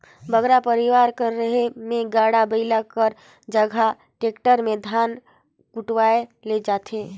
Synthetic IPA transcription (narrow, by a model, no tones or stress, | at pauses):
bəɡɾapəɾiʋaɾkəɾːəɦemẽɡaɽabəɪlakəɾ | d͡ʒəɡʱa | ʈeːkʈəɾmẽd̪ʱaːn | kuʈʋaeled͡ʒaːt̪ʰe